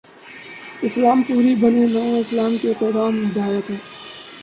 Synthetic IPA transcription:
ɪslaːmpuːɾibəninɔːõɪslaːmkepɾoːɡaːmʋɪd̪aːjət̪ɦɛ̃ː

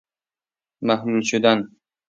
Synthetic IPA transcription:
mahmult͡ʃʊd̪an

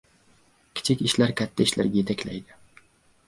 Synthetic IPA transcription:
kʲʰɪ̥t͡ʃʰɪkʲɪʃlaɾkʲʰat̪ʰːaɪʃla̰ɾɡʲajet̪ʰakʲla̰jd̪ɪ

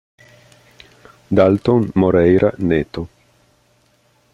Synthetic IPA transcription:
d̪alt̪onmoɾɛjɾanet̪o

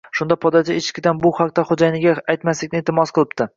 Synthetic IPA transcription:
ʃʊnd̪apʰɒd̪ad͡ʒ̪ɪet͡ʃʰɪ̥kʲɪd̪anbʊhɑq̚t̪aχod͡ʒajnɪɡʲaajt̪maslɪkʲnɪet̪ʰɪmɒsqɨlˠɪp̚t̪ɪ

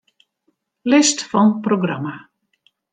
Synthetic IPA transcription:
lɪstfɔnproɡrama

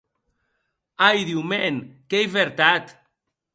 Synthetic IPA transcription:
ajðiwmeŋkejβeɾt̪at̪

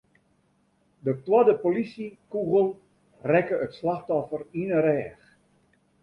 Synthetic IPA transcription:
dətwɔdəpolisikuɣəlˠ | rɛkəətslaxtɔfərinəɾɛːx

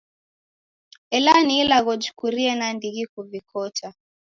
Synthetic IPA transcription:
ɛlaniːlaɣɔd͡ʒu̥kuɾiɛnandiɣikuvikʰɔta

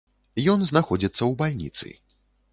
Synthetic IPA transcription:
jɔnznaxɔd͡zʲit̪sːɐwbalʲnʲḭt̪sɨ̰

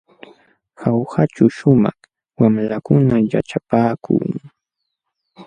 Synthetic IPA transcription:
xawhat͡ʃʊʃʊmɑχ | wamlakʊnaja̰ʈ͡ʂapaːkṵː

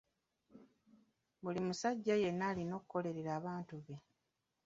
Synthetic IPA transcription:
βulimusaɟːaje̞nːaːlino̞ːkuko̞le̞ɾeɾaːβaːntuβe̞

